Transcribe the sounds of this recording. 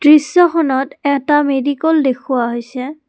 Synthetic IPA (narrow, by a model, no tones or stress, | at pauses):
dɹisːɔxɔnɔtɛtamedikɔldekʰʊwaɦojsɛ